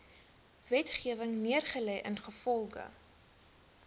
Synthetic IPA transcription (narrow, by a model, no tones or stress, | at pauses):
vɛtχiəvəŋniərχəlɛjʔənχəfɔlˠɡə̰